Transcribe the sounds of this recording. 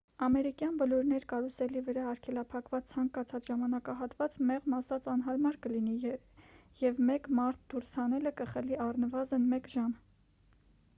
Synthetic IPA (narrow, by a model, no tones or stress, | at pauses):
ɑmɛɾikjɑnbəlɔɾnɛɾkɑɾusɛlivəɾɑɑɾkʰɛlɑpʰɑkvɑt͡st͡sʰɑŋkɑt͡sʰɑt͡sʒɑmɑnɑkɑɦɑt̪vɑt͡smɛʁmɑsɑt͡sɑnɦɑɾmɑɾkəlini | jɛvmɛkmɑɾt̪ʰd̪̥uɾshɑnɛləkəχəliʔɑrnəvɑzənmɛkʒɑm